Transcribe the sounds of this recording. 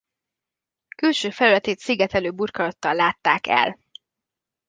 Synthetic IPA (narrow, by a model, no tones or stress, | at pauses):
kylʃøːfɛlylɛt̪eːt̪siɡɛt̪ɛløːburkɒlɒt̪ːɒlːaːt̪ːaːkɛ̰l